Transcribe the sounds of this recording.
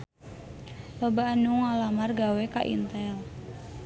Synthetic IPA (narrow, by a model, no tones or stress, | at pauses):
lobaanuŋalamarɡawekaʔḭnt̪ɛl